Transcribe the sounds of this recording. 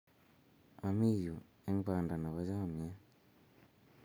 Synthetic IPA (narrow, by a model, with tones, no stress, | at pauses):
a˨mi˦˨jo˨ | e˦ŋkaː˨nda˨na˨βa˦d͡ʒa˦˨mɲe˦